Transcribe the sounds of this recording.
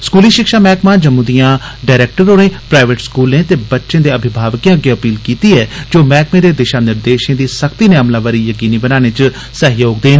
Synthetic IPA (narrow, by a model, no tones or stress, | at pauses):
skuːliːʃɪkʃaːmɛːkmãːd͡ʒəmũːd̪ijãːɖaːɾeːk̚ʈəɾoːnẽːpɾaːɪʋeʈskuːlẽːt̪eːbətːʃẽːd̪eːəbʱɪbʱaːʋkijãːəɡeːəpiːlkiːt̪iːɛːd͡ʒoːmɛːkmẽːd̪eːd̪ɪʃaːnɪɾd̪eːʃẽːd̪iːsəkt̪iːneəmlaːʋəɾiːjəkiːniːbənaːñẽːt͡ʃ | səɦjoːɡ̚d̪eːn